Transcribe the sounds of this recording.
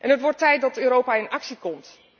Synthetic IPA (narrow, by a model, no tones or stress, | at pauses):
ʔɛnɦətʋɔɹtɛjt̚dɑtøːɾowpaːɪnɑksikɔmt